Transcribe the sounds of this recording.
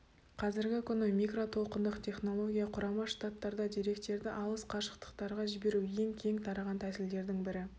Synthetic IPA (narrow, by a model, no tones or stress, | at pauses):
qʰɑzɪɾɡʲɪkʲʰʏnɪmʲikro̞t̪ʰo̞lˠqənd̪əqt̪ʰʲe̞χno̞lˠo̞ɡʲijɑqʰʊɾɑmɑʃt̪at̪ːɑɾd̪ɑd̪iɾe̞kt̪e̞ɾd̪ɪʔɑlˠəsqʰɑʃə̥qt̪ə̥qt̪ɑɾʁɑʒɪbe̞ɾuwje̞ŋkʲʰe̞ŋt̪ʰɑɾɑʁɑnt̪ʰæsɪld̪e̞ɾd̪ɪŋbɪɾɪ